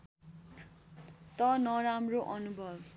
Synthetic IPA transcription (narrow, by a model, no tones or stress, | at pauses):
t̪ʌnʌɾamroʔʌnubʱʌb